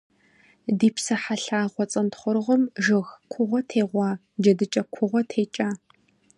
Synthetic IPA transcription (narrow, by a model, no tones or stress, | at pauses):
diːpsɐħaɬaːʁʷɔt͡sʼɐntχʷɔɾʁʷɔmʒɨɣkʷʰʊʁʷɔtʰeːʁʷɑː | d͡ʒɐdɨt͡ʃʼɐkʷʰʊʁʷɔtʰeːt͡ʃʼaː